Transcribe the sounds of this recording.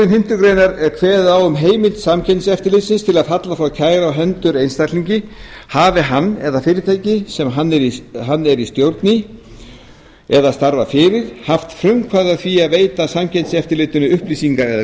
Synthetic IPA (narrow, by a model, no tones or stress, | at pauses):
ɪnhɪm̥t̪ʏɾkɾejnaɾkʰvɛːðawʏmɦeːjmɪlt̪samcʰɛjnsɛft̪ɪɾlɪsɪnst̪ʰɪlaðɦat̪lafɾawcʰaːjɾaawɦɛnt̪ʏɾejnst̪at̪liɲcɪ | haːvɪɦanːɛðafɪːɾɪt̪ʰaːjcɪsɛmɦanːɛɾiɦanːɛɾist̪jowɾt̪nɪ | ɛðast̪aɾvafɪɾɪðhaft̪fɾʏŋkʰvaðaθviaðveːjt̪asamcʰɛnsɛft̪ɪɾlɪːt̪ʏnʏʏhplisiŋkaɾɛða